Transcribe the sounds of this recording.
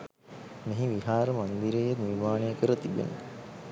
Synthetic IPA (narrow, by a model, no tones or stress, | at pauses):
meɦiʋiɦaːɾəmand̪iɾejenirmaːnejəkəɾət̪ibḛnə̰